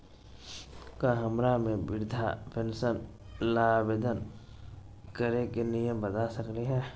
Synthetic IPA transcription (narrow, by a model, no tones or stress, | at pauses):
kaɦəmɾamẽbɪɾd̪ʱa̰pʰɛnsən | laːʋed̪ən | kəɾekenijəmbəd̪asəkleɦɛ̃ː